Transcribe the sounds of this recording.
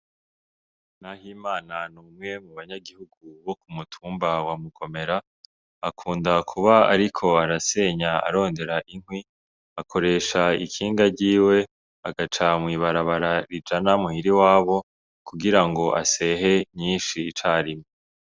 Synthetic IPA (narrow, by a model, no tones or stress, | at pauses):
nahimaːnanuːmŋe̞muβaɲaɡihuɡuβo̞kumutʰuːmbawamukʰo̞me̞ɾaː | kʰuːndakʰuβaa̰ɾikʰo̞aɾase̞ɲaa̰ɾo̞ːnde̞ɾaʔiŋhwi | akʰo̞ɾe̞ːʃaḭkʰiːŋɡaɾɟiːwe̞ | aɡat͡ʃamwiːβaɾaβaɾaɾid͡ʒanamuhiɾiwaːβo̞ | kuɡiɾaŋɡo̞ʔa̰se̞ɦe̞ɲiːnʃiːt͡ʃaːɾime